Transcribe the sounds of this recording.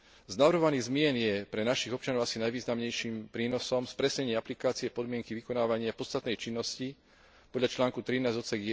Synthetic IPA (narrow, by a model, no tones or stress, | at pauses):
znaʋrɾɦɔʋaniːɣzmɪɛnjɛpɾɛnaʃiɣɔp̚t͡ʃanɔʊasinajʋiːznamɲɛjʃimpɾiːnɔsɔmspɾɛsɲɛɲɪɛaplikaːt͡siɛpɔd̪mɪɛŋkiʋikɔnaːʋaɲɪapɔt͡st̪at̪nɛjt͡ʃinːɔsci | pɔd̪ʎat͡ʃlaːŋkut̪ɾinaːzɟɔt͡sɛɡjɛ